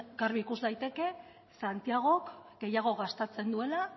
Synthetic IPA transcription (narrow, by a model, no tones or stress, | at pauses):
ɡaɾβikuzd̪ajt̪e̞ke̞ | sant̪iaɣ̞o̞kɡe̞jaɣ̞o̞ɣast̪at͡se̞nd̪ue̞la